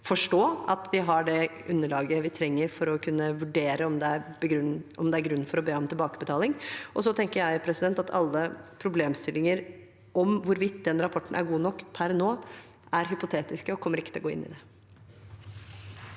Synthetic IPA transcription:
fɔʂʈoːɑt̪ʋɪɦɑɖɛ | ʉnːəɭɑːɡəʋɪt̪ʰɾɛŋːəɾfɔɾɔkʰʉnːəʋʉɖeːɾəɔmd̪ɛæɾbəɡɾʉʔɔmd̪ɛæɾɡɾʉnːnfɔɾɔbeːɔmt̪ʰɪlbɑːkəbət̪ʰɑːlɪŋʔɔs̬ɔt̪ʰɛŋkəɾjæɪpʰɾɛsɪd̪ɛnt̪ɑt̪ʰɑlːəpʰɾʊbleːmst̪ɪlːɪŋəɾ | ʔɔmʋʊɾʋɪt̪ːd̪ɛnɾɑpʰɔʈːn̩ʔæ̰ɾɡuːnɔkːpʰæɾɛnːoː | ʔæɾɦʏpʊt̪ʰeːt̪ɪskəɔkʰɔmːəɾɪkt̪ɪlɔɡoːɪ̰nːɪ̰d̪ɛ

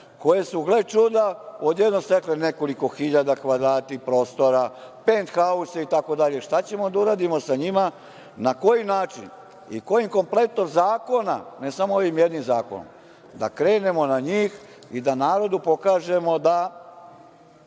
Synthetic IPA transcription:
ko̞jesuɡlet͡ʃud̪ao̞d̪jed̪nost̪eklene̞ko̞liko̞xiʎad̪akʋad̪ɾaːt̪ipɾo̞ːst̪o̞ɾapent̪xauseit̪ako̞d̪aʎe̞ʃt̪at͡ɕe̞mo̞d̪auɾaːd̪imo̞saɲima | nako̞jinaːt͡ʃḭn | ḭko̞jimko̞mple̞t̪noɡzaːko̞na̰nesamooʋimje̞d̪nimzaːko̰no̰m | d̪a̰kɾe̞ːne̞mo̞naɲiːx | id̪anaːɾo̞d̪upo̞kaːʒe̞mo̞d̪a

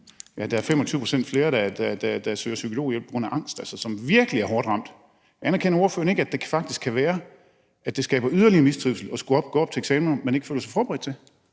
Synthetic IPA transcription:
jæd̥ɑ̈æɐfemɒt͡sʰyːʊpʰosen̰d̥fle̝ːɐd̥æd̥æd̥æd̥æsø̰ːɐsykʰo̝lo̝̰ːjelpʰɡ̥ʁo̽næʔɑ̈ŋ̰sd̥ælsɐsɒ̽mʋiɐɡ̥əliæɐɦɒːd̥ʁɑ̈m̰d̥ | ænɐkʰenɐo̝ɐfø̰ɐne̝ɡ̥əæd̥e̝kʰfɑ̈ɡ̥̚d̥iskʰːæʋæːɐ | ʔæd̥e̝sɡ̥ɛ̰ːb̥ɐyðˠɐliɐmisd̥ʁiʊ̰sl̩ɒ̽sɡ̥uɒ̽b̥̚ɡ̥ɔ̰ːɒ̽b̥t͡sʰe̝eɡ̥sɛːmnɐmene̝ɡ̥fø̰ːlɐsɑfɒːb̥ʁɛd̥̚t͡sʰe̝

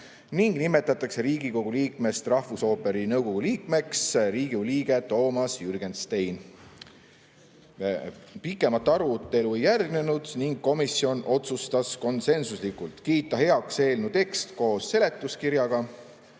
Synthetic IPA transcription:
niŋɡ̥nime̞t̪ːˑɑt̪ːˑɑkse̞ɾiːɡ̥iko̞ɡ̥uliːkme̞st̪rɑhvuso̞ːpe̞ɾinɤwɡ̥o̞ɡ̥uliːkme̞ksɾiːɡ̥uliːɡ̥e̞t̪o̞ːmɑsjyrɡe̞nst̪ejn | pikːˑe̞mɑt̪ːɑɾut̪ːˑe̞luejːærɡ̥ne̞nud̪̥niŋɡ̥ko̞misio̞nʔo̞t̪sust̪ɑsko̞nse̞nsuslikult̪kiːt̪ːˑɑɦe̞ɑkse̞ːlnut̪e̞kst̪ko̞ːsse̞le̞t̪ːˑuskiɾjɑɡ̥ɑ

